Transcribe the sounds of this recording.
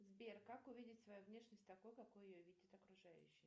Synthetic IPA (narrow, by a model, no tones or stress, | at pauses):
zbʲerkakʊvʲidʲɪtʲsvɐjuvnʲeʂnʲəsʲtʲt̪ɐkujkɐkujʊjovʲidʲɪt̪ɐkɾʊʐajʉ̰ɕːɪj